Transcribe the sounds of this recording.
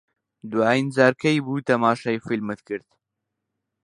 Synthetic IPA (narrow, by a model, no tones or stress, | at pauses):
d̪uajinzaːɾkʰɐjbuːt̪ɐmaːʃɐjfilmɨt̪kɨɾd̪̥